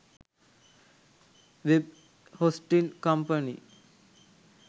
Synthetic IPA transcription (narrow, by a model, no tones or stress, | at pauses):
ʋeb | hosʈilkampəni